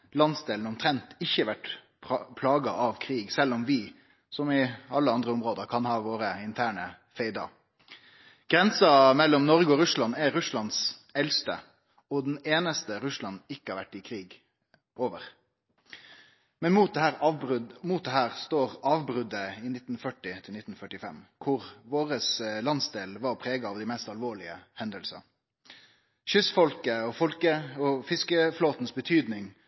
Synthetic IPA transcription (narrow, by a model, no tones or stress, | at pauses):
lɑnsd̪eːln̩ɔmt̪ʰɾɛnt̪ɪçːəʋæʈ | pʰlɑːɡɑʔɑʋkʰɾiːɡsɛlːɔmʋɪ | sɔmɪɑlːəɑnd̪ɾəɔmɾoːd̪əɾkʰɑnhɑːʋoːɾəɪnt̪ʰæːɳə | feɪd̪ɑ̰ | ɡ̥ɾɛnsɑmɛlːɔmnɔɾɡəɔɾʉslɑnɛɾʉslɑnsɛlst̪ə̰ | ɔd̪ɛneːnəst̪əɾʉslɑnɪkːəhæːɾʋæʈːɪkʰɾiːɡ | oːʋəʁ | mɛnmuːt̪̚d̪hæːɾɑb̪muːt̪̚d̪ɛhæːʁst̪oːɾɑːʋbʁʉd̪əɪnɪt̪n̩fœʈːɪt̪ʰɪlnɪt̪n̩fœʈɪfɛ̰mkʰʊʁʋoːɾəslɑnsd̪eːlʋɑːʁpʰɾeːɡɑɑʋd̪ɪmɛst̪ɑlʋoːɭɪə̰hɛnd̪əlsə̰ | ʃʏsfɔlkəɔfɔlkəɔfɪskəfloːt̪nsbət̪ʰyːd̪nɪŋ